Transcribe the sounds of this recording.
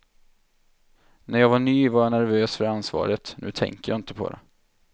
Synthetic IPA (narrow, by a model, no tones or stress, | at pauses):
næɾjɑːvaɳyːvaɾjɑnæɾvøːsfœɾansvɑ̰ːɾət̪nʉ̟̰ːt̪ʰɛ̰ŋkəjɑ̰ːɪnt̪əpʰɔ̰d̪ɛ̰